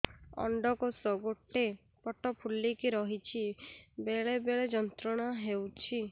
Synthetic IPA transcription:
ɔ̰ɳɖɔkosɔɡoʈe | pɔʈɔpʰulːikiɾɔɦit͡ʃʰibeɭebeɭed͡ʒɔnt̪ɾɔɽ̃aɦewt͡ʃʰi

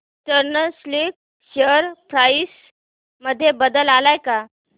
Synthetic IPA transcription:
təɾnəslik̚ | ɕəɾpɾajs | məd̪ʱːjebəd̪əlalajka

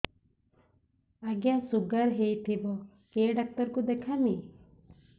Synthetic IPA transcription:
aɡjasuɡaɾɦejt̪ʰibɔ | keɖak̚t̪ɔɾkud̪ekʰani

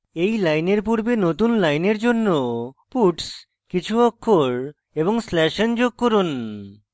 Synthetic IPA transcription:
ejlajneɾpuɾbenot̪unlajneɾd͡ʑonːopuʈs | kit͡ɕʰuɔkʰːoɾ | eβoŋslɛʃend͡ʑoɡ̚koɾun

